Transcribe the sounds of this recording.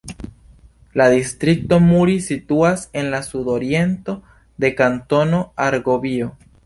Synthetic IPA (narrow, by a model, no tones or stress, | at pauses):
ladistɾik̚to̞muɾisituase̞nlasudo̞ɾie̞nto̞ | de̞kanto̞no̞aɾɡo̞bio